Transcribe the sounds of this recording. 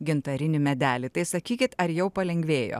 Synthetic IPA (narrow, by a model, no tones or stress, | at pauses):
ɡʲɪnt̪ɐɾʲɪnʲɪmʲɛd̪ʲæːlʲɪt̪ɐɪsɐkʲiːkʲɪt̪ɐɾjɛʊpɐlʲɛŋʲɡʲʋʲeːjo̰ː